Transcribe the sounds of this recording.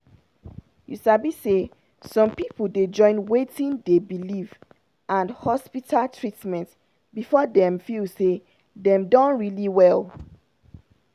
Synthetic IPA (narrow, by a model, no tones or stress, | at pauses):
jusabise | sɔ̃mpipl̩ded͡ʒɔ̃ɪ̃nwetĩndebiliv | ʔãnhɔspitʰaltʰɹitmɛ̃nt | bifɔdɛ̃mfilse | dɛ̃mdɔ̃nɹiliwɛl